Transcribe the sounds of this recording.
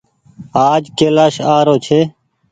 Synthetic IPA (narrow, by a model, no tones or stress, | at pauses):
aːd͡ʒkeːlaːʃaːɾoːt͡ʃʰeː